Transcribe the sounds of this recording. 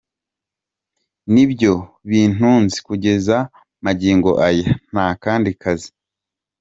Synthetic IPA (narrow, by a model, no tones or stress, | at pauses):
nibjo̞ | βiːn̥uːnzi̥kuɟe̞za | maɟiːŋɡo̞̰ʔajan̥akaːndikʰazi̥